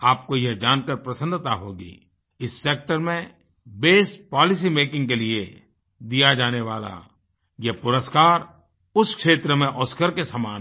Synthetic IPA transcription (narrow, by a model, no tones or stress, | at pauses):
aːp̚kojeɦd͡ʒaːnkəɾpɾəsə̃nd̪ʱt̪aɦoːɡḭː | ɪsːeːk̚ʈəɾmẽ | beːsʈ̚pɔːlɪs̬imeːkɪ̃ŋɡkelie | d̪ijad͡ʒaːneʋaːla̰ | jepʊɾəskaːɾ | ʊskʃeːt̪ɾəmẽʔɔːskəɾkesəmaːn